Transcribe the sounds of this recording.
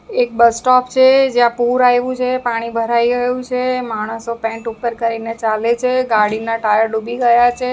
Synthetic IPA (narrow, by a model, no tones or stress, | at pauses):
ek̚bəsʈɔpt͡ʃʰed͡ʒjãpuɾajʋũt͡ʃʰepaɽ̃ibʱəɾaiɡəjũt͡ʃʰemaɽ̃əsopɛ̃ɳʈupəɾkəɾinet͡ʃalet͡ʃʰeɡaɽinaʈajəɾɖubʱiɡəjat͡ʃʰe